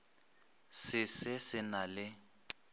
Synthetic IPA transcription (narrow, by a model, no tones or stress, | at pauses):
sɪsɪsɪnalɪ